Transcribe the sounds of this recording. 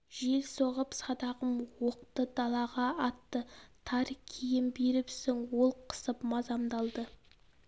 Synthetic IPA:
ʒ̥e̞lsoʁəpsɑd̪ɑʁəmwo̞q̚t̪əd̪ɑlˠɑʁɑɑt̪ːət̪ʰɑɾkʲʰijɪmbeɾɪpsɪŋwo̞lˠqʰə̥səpmɑzɑmd̪ɑlˠd̪ə

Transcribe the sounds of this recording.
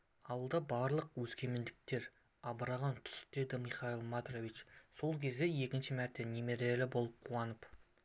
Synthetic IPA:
ɑlˠd̪ɑbɑɾlˠəqwɵzkʲe̞mend̪ɪk̚t̪e̞ɾ | ɑbəɾɑʁɑnt̪ʰʏ̥st̪e̞d̪ɪmiχɑilˠmɑd̪rovit͡ʃso̞lˠkʲʰe̞zd̪e̞je̞kʲɪnʃɪmæɾt̪e̞nʲeme̞ɾelɪbo̞lˠəp̚qʰuɑnəp

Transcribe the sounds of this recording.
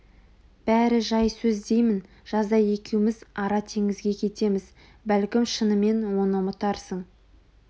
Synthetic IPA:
b̥æɾɪʒɑjsɵzd̪e̞jmɪn | ʒ̥ɑzd̪ɑje̞kʲewɪmɪzɑɾɑt̪ʰe̞ŋɪzɡʲe̞kʲʰe̞t̪e̞mɪz | bælkʲɪmʃənəme̞nwo̞nəmət̪ɑɾsəɴ

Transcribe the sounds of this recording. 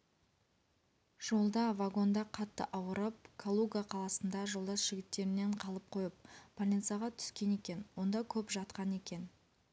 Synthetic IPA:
ʒ̥o̞lˠd̪ɑvaɡo̞nd̪ɑqʰɑt̪ːə̰ʔɑwəɾəp̚kʰolˠuɡaqʰɑlˠɑsənd̪ɑʒo̞lˠd̪ɑsʒ̥ɪɡʲɪt̪ːe̞ɾɪne̞ɴqʰɑlˠəp̚qʰo̞jəp̚pʰolʲint̪sijaʁɑt̪ʰʏ̥skʲe̞ne̞kʲe̞nwo̞nd̪ɑkʲʰɵpʒɑt̪qɑne̞kʲe̞n

